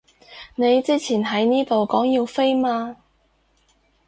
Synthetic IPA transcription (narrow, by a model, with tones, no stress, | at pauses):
ne˨˧jt͡siː˥t͡sʰiː˨˩nɦɐ˨˥jniː˥t̪o˨wkɔː˨˥ŋji˧wfe˥jmaː˧